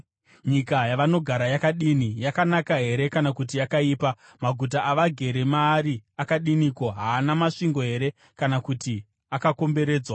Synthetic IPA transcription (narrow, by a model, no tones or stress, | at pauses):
ɲikajaʋano̞ɡʱaɾajakaɗinijakanakaɦe̞ɾe̞kanakut̬iakaiːpa | maɡʱut̬aʔaʋaɡʱe̞ɾemaːɾiakaɗinikoɦaːnamaʂiŋɡo̞ɦe̞ɾe̞ | kanakuti | akako̞mbe̞ɾe̞ːd͡zwa